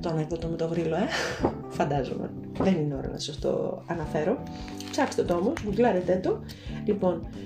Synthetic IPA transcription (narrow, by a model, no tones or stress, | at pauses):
t̪onekðot̪omet̪ovɾiloe̞ | fɐnd̪ɐzo̰mḛ | ðenineo̞ɾɐ̰nɐ̰ssɐft̪o̞̰ɐnɐfe̞ɾo̞ | psɐkst̪et̪oo̞mozmuzlɐɾet̪et̪o̞ | lipo̞n